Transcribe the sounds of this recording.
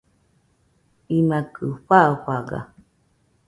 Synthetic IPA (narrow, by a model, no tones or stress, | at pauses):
imakʰɨɸaɸaɡa̰